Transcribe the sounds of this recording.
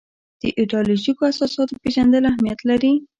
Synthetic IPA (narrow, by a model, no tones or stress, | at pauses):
d̪̥əʔɪɖɑloʒikoasɑsɑt̪opeʒand̪əlahmijat̪laɾi